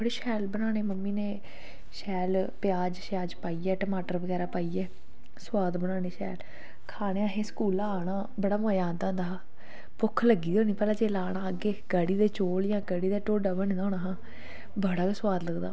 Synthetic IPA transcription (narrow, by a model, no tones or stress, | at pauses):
bəɽeːʃɛːlbənaːneːməmːiːneː | ʃɛːlpjaːd͡ʒʃaːd͡ʒpaːiːɛːʈəmaːʈəɾbəɡɛːɾaːpaːiːɛː | swaːd̪bəɽaːneːʃɛ̰ːl | kʰaːɽ̃eãːɦẽːskuːlaaːɽãː | bəɽaːmoːjaːnt̪ãːnd̪aː | pʊkʰləɡiːoːniːpɛːlãːd͡ʒeːlaːɽaːəɡeːkəɽiːd̪eːt͡ʃoːljãːkəɽiːd̪aːʈoːɖəbənẽːd̪aoːnaːɦãː | bəɽaːkesʊwaːd̪ləɡd̪a̰ː